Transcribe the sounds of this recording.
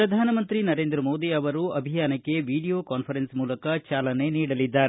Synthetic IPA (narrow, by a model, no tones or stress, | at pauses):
ɾɐd̪ʱaːnɐmɐnt̪ɾinɐɾeːnd̪ɾɐmo̞ːd̪iɐʋɐɾuɐbʱijaːnɐkːe̞ʋiːɽijo̞ːkaːnpʰɐɾensmuːlɐkɐt͡ʃaːlɐne̞niːɽɐlid̪ːaːɾe